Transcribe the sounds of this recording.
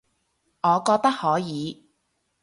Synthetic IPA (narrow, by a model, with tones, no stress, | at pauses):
ŋɔː˨˧kɔː˧k̚t̪ɐ˥k̚hɔː˨˥jiː˨˧˦